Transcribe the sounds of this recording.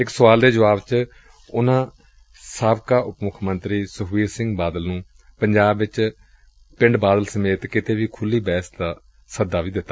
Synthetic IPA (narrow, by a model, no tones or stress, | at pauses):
ɪksəʋaːld̪eːd͡ʒəʋaːbt͡ʃ | ʊnãː | saːbkaːʔʊpmʊkʰmənt̪ɾiːsəɦʋiːɾsɪ̃ŋɡbaːd̪əlnũː | pəɲd͡ʒaːbʋɪt͡ʃ | pɪ̃ɳɖbaːd̪əlsəmeːt̪kɪt̪ʰeːʋiːkʰʊlːiːbɛːsd̪aː | səd̪ːaːʋiːd̪ɪt̪ːaː